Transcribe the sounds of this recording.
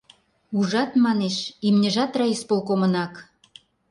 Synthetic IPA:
uʒɑt̪mɑneʃimnʲə̆ʒɑt̪rɑispolkomə̆nɑk

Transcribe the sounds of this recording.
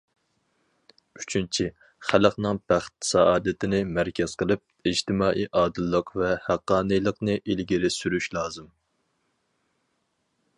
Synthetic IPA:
y̥t͡ʃʰynt͡ʃʰi | χæləqnɨŋb̥æχt̪̚sɑʔɑːd̪ɨt̪ʰɪnɪmæɾkʲɛz̥qʰəlˠɨp̚id͡ʒt̪ʰɪmɑːʔiːʔɑːd̪ɨlˠːəqvɛhæqːɑːnɨjlˠəqnɨʔilɡʲiɾɪsyɾyʃlˠɑːzɨm

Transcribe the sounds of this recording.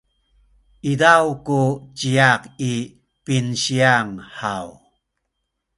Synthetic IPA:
idawkut͡ɕiaki | pinɕiaŋhaw

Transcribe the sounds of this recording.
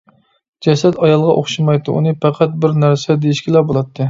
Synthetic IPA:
d͡ʒɛsɛt̪ʰɑjɑlˠʁɑʔoχʃimɑjt̪ɨṵnɨpʰæqʰæt̪̚bɪɾnæɾsɛd̪ejiʃkʲilɑbolˠɑt̪ʰːɨ

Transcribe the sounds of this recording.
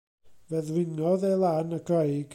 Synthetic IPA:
vɛðwɪnɔðejlˠanəɡɛjɡ

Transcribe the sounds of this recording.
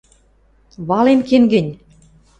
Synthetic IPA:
βɑlemkeŋɡɘ̆nʲ

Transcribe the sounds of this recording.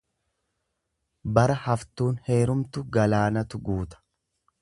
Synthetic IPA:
bɐɾɐhɐft̪uːnhe̞ːɾʊmt̪ʊɡɐlaːnɐt̪ʊɡuːt̪ɐ̥

